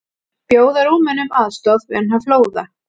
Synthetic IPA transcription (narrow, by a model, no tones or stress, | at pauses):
pjoːwðaɾuːmɪnʏmaːðst̪ɔðvɪanɦavfloːwða